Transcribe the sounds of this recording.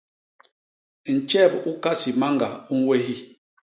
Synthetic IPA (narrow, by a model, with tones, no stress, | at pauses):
n̩˨t͡ʃɛ˦˨bu˦ka˦si˨ma˦ŋɡa˨u˦n̩˦we˦ɦi˦